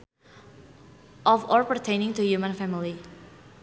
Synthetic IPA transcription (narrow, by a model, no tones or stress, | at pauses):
ʔɔvɔɹpəɹtʰẽɪ̃nɪ̃ŋtujumə̃nfæmɪli